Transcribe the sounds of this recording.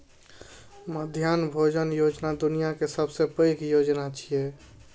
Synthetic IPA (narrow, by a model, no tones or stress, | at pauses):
məd̪ʱjanbʱod͡ʒənjod͡ʒnad̪unijakesəbsepəjkjod͡ʒnat͡ʃʰije